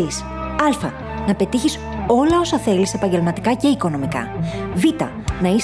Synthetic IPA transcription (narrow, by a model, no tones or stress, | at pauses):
is | ɐlfɐ | nɐpe̞t̪içis | o̞lɐo̞sɐθe̞lise̞pɐɲɟe̞lmɐt̪i̥kɐce̞iko̞no̞mikɐ̰vit̪ɐ̰ | nɐis